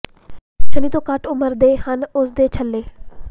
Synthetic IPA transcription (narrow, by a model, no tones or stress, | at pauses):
t͡ʃʰəniːt̪õːkəʈʊməɾd̪eːhənʊsd̪eːt͡ʃʰəlːeː